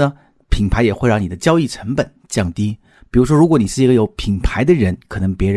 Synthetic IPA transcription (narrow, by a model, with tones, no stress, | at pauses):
ə˩ | pʰi˨˩ŋpʰa˧˥ɪjɛ˨˩xwe˥˧ɪɻɑ˥˩ŋni˨˩d̪ə˦t͡ɕjɑ˥ʊi˥˩ʈ͡ʂʰə˧˥ŋpə˨˩˦nt͡ɕjɑ˥˩ŋt̪i˥ | pi˨˩ɻu˧˥ʂ̬wɔ˥ɻu˧˥kwɔ˧˥ni˨˩ʂɻ̩˥˩i˧˥ɡə˧jo˧˥ʊpʰi˨˩ŋpʰa˧˥ɪd̪ə˧ɻə˧˥nkʰɤ˨˩nɤ˧˥ŋpjɛ˧˥ɻ